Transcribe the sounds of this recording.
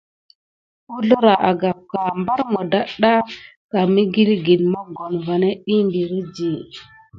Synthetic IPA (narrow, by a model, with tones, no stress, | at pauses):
u˦ɮo˦ɾa˨ʔa˨ɡa˨p̚ka˨mba˦ɾmo˨da˦ɗa˦ | ka˨mi˦ɡi˦lɡi˨nmo˦ɡo˨nva˨ne˦ɗi˦mbi˨ɾi˦d͡ʒi˨